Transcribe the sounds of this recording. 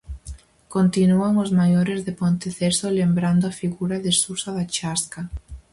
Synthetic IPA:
kont̪inuaŋozmajoɾezðepont̪eθesolembɾand̪ʊafiɣuɾaðɪsusaðat͡ʃaska

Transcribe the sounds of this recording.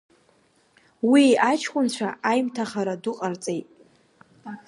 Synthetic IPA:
wiat͡ʃʰkʷʼʊnt͡ɕʷʰaʔajmtʰaχaɾadʊqʼart͡sʼejtʼ

